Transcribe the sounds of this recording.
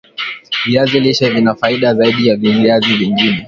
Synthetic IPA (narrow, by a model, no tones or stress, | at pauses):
viaziliʃɛvinafaiɗazaiɗijaviviaziviŋɡinɛ